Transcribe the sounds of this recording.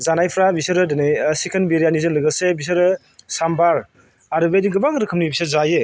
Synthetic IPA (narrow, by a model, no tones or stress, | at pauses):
zanajpʰɾabisɯɾɯdenajsekʰenbeɾijanizɯnlɯɡɯsebis̬ɯɾɯ | sambaɾ | aɾɯbediɡɯbaŋɾɯkʰɯmnibisɯɾzaje